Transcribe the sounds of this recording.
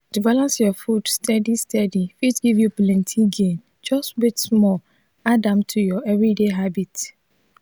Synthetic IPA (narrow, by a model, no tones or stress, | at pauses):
d̥ivalãnsjɔfudstʰɛdistʰɛdifitɡivjuplɛ̃ntʰiɡẽn | d͡ʒɔstwetsmɔ | adãmtʰujɔɛvɹideɦabit